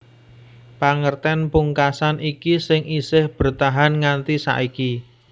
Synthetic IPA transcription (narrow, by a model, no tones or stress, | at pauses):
paŋərt̪ɛnpuŋkasanikisɪŋʔisɪhb̥ərt̪aɦanŋant̪isa̰ʔiki